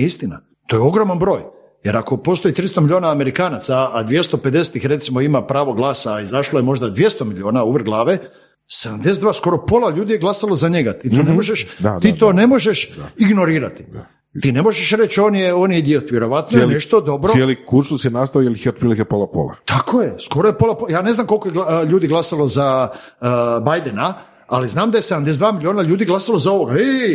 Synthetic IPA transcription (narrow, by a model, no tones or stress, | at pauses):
ist̪ina̰ | t̪o̞jo̞ɡɾomanbɾo̞ːj | je̞ɾako̞po̞st̪o̞jit̪ɾist̪omiʎio̞ːnaːme̞ɾikaːnat̪saːd̪ʋje̞st̪o̞pe̞d̪e̞set̪ixɾe̞t̪simo̞imapɾaːʋo̞ɡlˠaːsaːizaʃloje̞mo̞ʒd̪ad̪ʋje̞st̪omiʎʲio̞ːnauʋrɡlˠaːʋe̞ | sed̪amd̪esed̪ʋaːsko̞ɾo̞po̞laʎuːd̪ijeɡlasalozaɲe̞ɡat̪it̪onemoʒeʃad̪iːt̪o̞ːne̞mo̞ʒe̞ʃiɡno̞ɾiːɾat̪i̥a | iːne̞mo̞ʒeʃɾet͡ɕoːnjeoːnjed̪iot̪ʋjeɾo̞ʋat̪noelneʃt̪o̞d̪o̞bɾojelikuɾsusjenast̪aojelxiot̪pɾilikepolˠapo̰la̰t̪akʰojesko̞ɾojepo̞lˠapojaːne̞znaːmko̞lkojeɡaʎuːd̪iɡlˠasalˠoza | bajd̪ena | aliznaːmd̪ajesed̪amd̪es̬d̪vaːmilʲio̞ːnaʎuːd̪iɡlˠasalozaoʋoɡae